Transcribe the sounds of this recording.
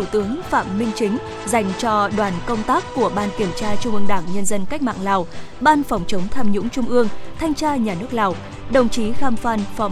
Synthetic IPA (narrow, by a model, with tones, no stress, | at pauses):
t̪u˧˩t̪ɨ˨˦əŋfaː˧˩mːï˧ŋ̟t͡ɕï˨˦ŋ̟ | za˨˩jŋ̟t͡ɕɔ˧ɗwaː˧˩nkə˧wŋ͡mt̪aː˦˥kːu˧˩əɓaː˧nki˨˧˩əmt͡ɕaː˧t͡ɕʊ˧ŋ͡mʔɨ˧əŋɗaː˧˩ŋɲə˧nzə˧nka˦˥jk̚ma̰ː˧˨ŋlaː˨˩wɓaː˧nfɔ˨˩wŋ͡mt͡ɕə˨˦ŋ͡mt̪ʰaː˧mɲʊ̰˧˥ŋ͡mt͡ɕʊ˧ŋ͡mʔɨ˧əŋt̪ʰa˧jŋ̟t͡ɕaː˧ɲaː˨˩nɨ˦˥ək̚laː˨˩w | ɗə˨˩wŋ͡mt͡ɕi˨˦ɣaː˧mfaː˧nfɔ˨˦